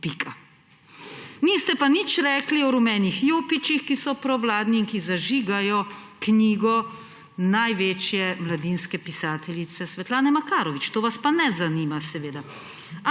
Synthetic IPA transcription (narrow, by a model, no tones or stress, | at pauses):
pikʰa | niːst̪ɛpanit͡ʃɾɛːkliɔɾumɛːnixjoːpit͡ʃixkisɔpɾɔʋlaːd̪niːŋkizaʒiːɡajɔ | kniːɡɔ | najʋeːt͡ʃjɛmlad̪iːnskɛpisaːt̪ʰɛlʲit̪sɛsʋɛt̪laːnɛmakaːɾɔʋit͡ʃt̪oːʋaspanɛzanimasɛʋeːd̪a